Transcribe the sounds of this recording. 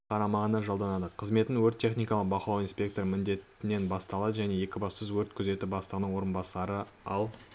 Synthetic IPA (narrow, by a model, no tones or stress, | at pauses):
qʰɑɾɑmɑʁənɑʒɑlˠd̪ɑnɑd̪əqʰəzme̞t̪ɪŋwɵɾt̪ʲʰːe̞χnijkɑlˠəq̚bɑqlˠɑwijnspʲe̞k̚t̪o̞ɾmɪnd̪e̞t̪ɪne̞nbɑst̪ɑlˠɑd̪ʒæne̞je̞kʲɪbɑsəzwɵɾt̪kʰʏze̞t̪ɪbɑst̪əʁənəɴwo̞ɾənbɑsɑɾəɑlˠ